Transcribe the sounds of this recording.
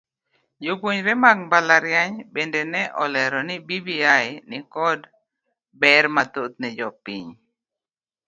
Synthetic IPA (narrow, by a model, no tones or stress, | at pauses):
jokuɲɾɛmak̚mbalaɾjaɲbɛndɛnɛʔɔlɛɾɔnibibiajnikɔd | bɛɾmat̪ot̪̚nɛd͡ʒɔpiɲ